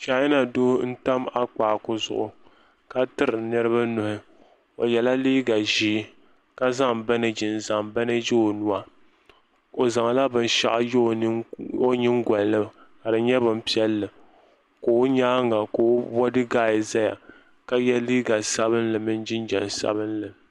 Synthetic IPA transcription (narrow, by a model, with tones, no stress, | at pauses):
t͡ʃa˨˦jɪ˦na˨doː˦n̩˦ta˦ma˦k͡paː˨kʊ˦zʊ̰˨ʔʊ˨ | ka˦tɨ˦ɾɨ˨nɨ˦ɾɨ˦βa˦nʊ˨hɪ˦ | o̰˨jɛ˨la˦liː˦ɡa˨ʒiː˦ | ka˦za˦ŋba˦nɨ˦d͡ʒɪ˨n˨za˨ŋba˦nɨ˦jo˦˨nu˦a˦ | o˨za˨ŋa˨la˦bɨ˦n˦ʃa̰˦ʔa˦jo˦˨˦o˦ɲɪ˦ŋɡʷɔ˨llɨ˦ka˨ɾɨ˨ɲɛ˦bɨ˨m˦pi˦ɛ˦lːɨ˨ | koː˨˦ɲaː˦ŋa˨koː˨˦bɔ˦dɨ˦ɡaː˦jɪ˨za˦ja̰˨ | ka˦jɛ˦liː˦ɡa˨sa˦βɨ˦nlɨ˨mɨ˦n˦d͡ʒɪ˦nd͡ʒɛ̰˨nsa̰˦bɨ˦nlɨ˨